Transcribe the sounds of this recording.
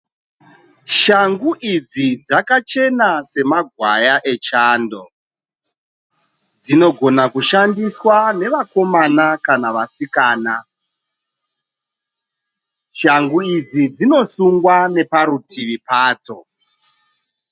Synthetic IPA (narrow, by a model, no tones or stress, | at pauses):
ʃaŋɡuʔid͡zid͡zakat͡ʃe̞nase̞maɡʱwajaʔe̞t͡ʃaːndo̞̰ | d͡zino̞ɡʱo̞nakuʃandiswane̞ʋako̞manakanaʋasikaːna | ʃaŋɡuid͡zid͡zino̞suŋɡwane̞paɾutiʋipaːto̞